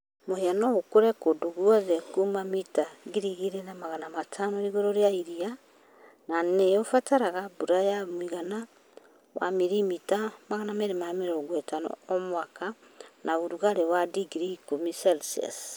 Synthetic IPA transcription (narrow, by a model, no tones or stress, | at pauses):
moheanookoɾekodoɣuaɣekumamitaɡiɾiɣiɾenamaɣanamatʰanoiɣoɾoɾjaiɾia | nanejofataɾaɣabuɾajamwiɣana | wa̰miɾimitamaɣanameɾemameɾoɡwɛtano̰omwaka | nʔauɾuɣaɾewadiɡɾikomisalsia̰s